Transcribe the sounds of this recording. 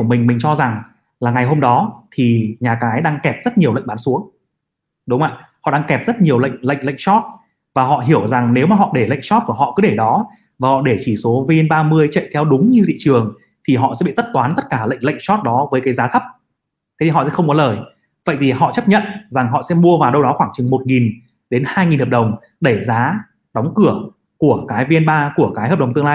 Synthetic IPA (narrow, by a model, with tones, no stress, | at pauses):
u˧˩mï˨˩ŋ̟mï̟˨˩t͡ɕɔ˧za˨˩ŋ | laː˨˩ŋa˨˩jɦo˧mɗɔ˨˦t̪ʰi˨˩ɲaː˨˩kaː˨˦jɗaː˧ŋkɛ˨˩p̚zə˦˥t̚ɲi˨əwə̰˧˨ŋ̟ɓaː˨˦nsu˨˦əŋ | ɗʊ˨˦ŋ͡mʔa̰ː˧˨hɔ̰˧˨ɗaː˧ŋkɛ˨˩p̚zə˦˥t̚ɲi˨˩əwlə̰˧˨jŋ̟lə̰˧˨jŋ̟lə̰˧˨jŋ̟t͡ɕɔ˦˥t̚ | vaː˨˩ɦɔ̰˧˨ɦi˧˩əwza˨˩ŋne˨˦wma˨˩ɦɔ̰˧˨ɗe˧˩lə̰˧˨jŋ̟sɔ˦˥t̚ku˧˩əɦɔ̰˧˨kɨ˨˦ɗe˧˩ɗɔ˨˦ | vaː˨˩hɔ̰˧˨ɗe˧˩t͡ɕi˧˩so˨˦vi˧nɓaː˧mɨ˧əjt͡ɕə̰˧˨jt̪ʰɛ˧wɗʊ˨˦ŋ͡mɲɨ˧t̪ʰḭ˧˨t͡ɕɨ˨˩əŋ | t̪ʰi˨˩ɦɔ̰˧˨sɛ̰˧˥ɓḭ˧˨t̪ə˦˥t̚t̪waː˨˦nt̪ə˦˥t̚kaː˧˩lə̰˧˨jŋ̟lə̰˧˨jŋ̟sɔ˦˥t̚ɗɔ˨˦vəː˨˦jkaː˨˦jzaː˨˦t̪ʰə˦˥p̚ | t̪ʰe˨˦t̪i˨ɦɔ̰˧˨ɛ̰˧˥xə˧wŋ͡mkɔ˨˦ləː˨˩j | və̰˧˨jt̪ʰi˨˩ɦɔ̰˧˨t͡ɕə˦˥p̚ɲə̰˧˨nza˨˩ŋɦɔ̰˧˨sɛ̰˧˥mu˧əvaː˨˩wɗə˧wɗɔ˨˦xwaː˧˩ŋt͡ɕɨ˨˩ŋmo˨˩t̚ŋi˨˩n | ɗe˨˦nhaː˧jŋi˨˩nhəː˨˩p̚ɗə˨˩wŋ͡m | ɗe˧˩zaː˨˦ | ɗɔ˨˦wŋ͡mkɨ˧˩ə | ku˧˩əkaː˨˦jvi˧ənɓaː˧ku˧˩əkaː˨˦jhəː˨˩p̚ə˨˩ŋ͡mt̪ɨ˧ŋlaː˧j